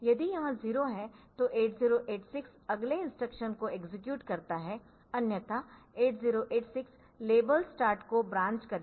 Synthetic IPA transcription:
jɐd̪ijɐɦãziːɾoɦɛt̪oʔeːʈziːɾoʔeːʈsɪksɐɡleɪ̃nsʈɾəkʃənkoeɡzɪk̬juːʈkɐɾt̪aɦɛ | ɐnjət̪a | eːʈziːɾoʔeːʈsɪks | leːbəlsʈaːɾʈkobɾãːɲt͡ʃkɐɾ

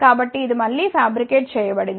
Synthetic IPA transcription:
kaːbɐʈːɯɪðɯmɐlːifaːbɾɪkːeːʈsɛjːɐpːɐɽɪn

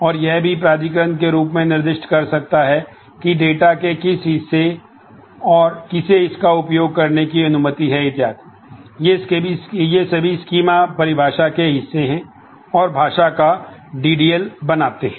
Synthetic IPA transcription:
ɔːɾjɛɦbʱipɾaːd̪ikəɾənk̬eɾuːpmẽnɪɾd̪ɪʃʈkɐɾsɐk̚t̪aɦɛ | kiɖeːʈakekɪsɦɪsːe | ɔːɾkɪseɪskaʊpjoːɡ̚kɐɾnekiɐnʊmət̪iɦɛɪt̪ɪjaːt̪ɛ | jesebʱijesɐbʱiskiːmapɐɾɪbʱaːʃakeɦɪsːeɦɛ̃ | ɔːɾbʱaːʃakaɖiːɖiːəlbɐnaːt̪eɦɛ̃

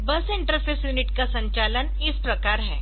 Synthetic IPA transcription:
bəsɪɳʈəɾpʰesjuːnɪʈkasə̃ɲt͡ʃalən | ɪspɾəkaːɾɦɛː

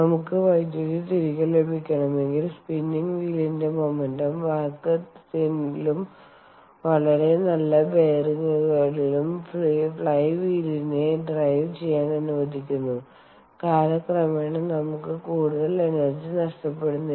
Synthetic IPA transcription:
nɐmukːɨʋɐjd̪joɾit̪iɾikːɐɭle̞bʱikʲːɐɳɐme̞ŋɡilspinːiŋɡʋiːlinde̞mo̞mendɐmʋaːkːɐt̪inilum | ʋɐɭɐɾe̞nɐlːɐbe̞ːriŋɐɭɣɐɭilumfɭfɭɐjʋiːline̞ɖrɐjʋt͡ɕe̞jːaːɳɐnuʋɐd̪ʱikʲːunːu | kaːɾɐkrɐmeːɳɨnɐmukːɨkuːɽuðɐle̞nɐrd͡ʑinɐʂʈɐpːe̞ɽunːi

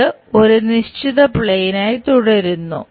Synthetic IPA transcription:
ɨ | oɾuniɕt͡ɕiðɐpɭejnaːjt̪uɽɐɾunːṵ

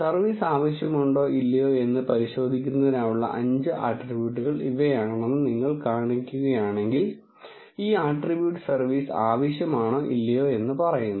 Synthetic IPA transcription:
sɐrʋiːsaːʋɐɕjɐmuɳɖo̞ːʔilːɐjoːe̞nːɨpɐɾiɕo̞ːd̪ʱikʲːunːɐðinaːjuɭːɐ̰ʔɐɲd͡ʑɨʔaːʈribjuːʈːuɣɐɭiʋejaːɳɳenːɨniŋːɐɭkaːɳikʲːuɣɐjaːɳe̞ŋɡil | iːaːʈribjuːʈːɨ̥sɐrʋiːsaːʋɐɕjɐmaːɳo̞ːʔilːɐjo̞ːe̞nːɨpɐrɐjunːɐ

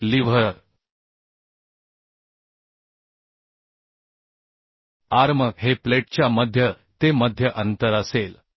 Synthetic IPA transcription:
liʋ̤əɾ | aɾməkɦepleʈt͡ɕjaməd̪ʱjə | t̪eməd̪ʱjəʔənt̪əɾəsel

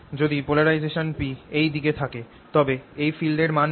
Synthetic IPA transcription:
d͡ʑod̪ipolaɾajd͡ʑeʃonpiejd̪iket̪ʰake | t̪ɔbeejfilɖeɾman

